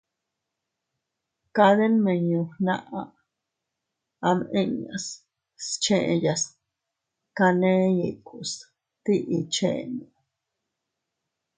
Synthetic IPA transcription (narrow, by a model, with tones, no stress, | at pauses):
ka˧d̪e˦nme˨ɲu˧na˧ʔa˧ | a˧mʔe˦ɲa˨s | st͡ʃe˧ʔja˧s | ka˧ne˦ji˨ku˨s | t̪i˦ʔi˧t͡ʃḛ˦nu˨